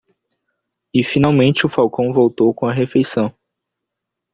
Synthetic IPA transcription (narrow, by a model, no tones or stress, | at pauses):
ɪfinawmẽnt͡ʃɪʊfawkõw̃vowt̪owkõɐɦefejsɐ̃w̃